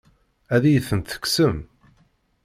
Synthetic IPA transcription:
æðijəθːənt̪θə̥ksəm

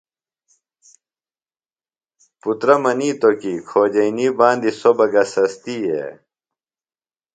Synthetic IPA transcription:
put̪ɾɐmɐniːt̪okikʰoːd͡ʑɐiniːbãːnd̪isobɐɡɐsɐst̪iːḛ

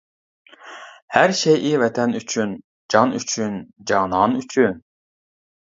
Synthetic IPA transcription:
hæɾʃejʔivɛt̪ʰɛnyt͡ʃʰyn | d͡ʒɑny̰t͡ʃʰynd͡ʒɑnɑnyt͡ʃʰyn

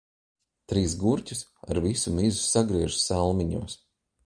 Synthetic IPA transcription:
t̪ɾiːsɡuɾtʲusa̰ɾvisumizusaɡɾiɛʒusalˠmiɲuːs

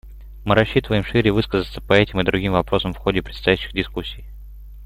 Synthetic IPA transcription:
mɨɾɐɕːit̪əvəjɪmʂɨɾʲɪvɨskəzət̪sə̥pɐɛtʲɪmɨd̪ɾʊɡʲimvɐpɾo̞səmfxodʲɪpɾʲɪt̪st̪ɐjæɕːɪɣdʲɪskusʲːij

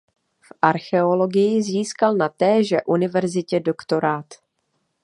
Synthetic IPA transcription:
fʔaɾxɛo̞lo̞ɡɪjɪziːskalnat̪ɛːʒɛʔunɪvɛɾzɪcɛdo̞kt̪o̞ɾaːt̪

